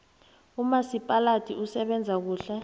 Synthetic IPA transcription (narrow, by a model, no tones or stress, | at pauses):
umasipʼalatʰʼiʔusɛɓɛnd͡zʱak̬uːɬɛ